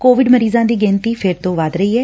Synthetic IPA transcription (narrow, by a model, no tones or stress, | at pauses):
koːʋɪɖməɾiːzãːd̪iːɡɛ̃ːnt̪iːpʰɪɾt̪õːʋaːd̪ɾəiːɦɛː